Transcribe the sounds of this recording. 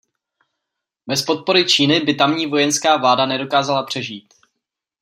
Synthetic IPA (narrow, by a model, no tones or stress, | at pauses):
bɛspo̞t̪̚po̞ɾɪt͡ʃiːnɪbɪt̪amɲiːvo̞jɛnskaːvlaːdanɛdo̞kaːzalapr̝̥ɛʒiːt̪̚